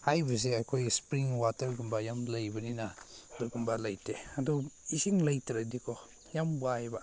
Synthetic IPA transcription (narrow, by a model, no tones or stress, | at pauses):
hajbɐz̬eakʰojspɾiŋwatɐɾɡumbajamlajbɐninaduɡumbalajteaduisiŋlajtɾadikʰɔ | jambuajba